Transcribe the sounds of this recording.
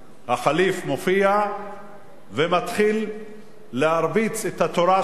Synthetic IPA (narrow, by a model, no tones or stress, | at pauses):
haχalifmo̞fia | vemat̪χilː | ehaɾbit͡set̪hat̪oɾa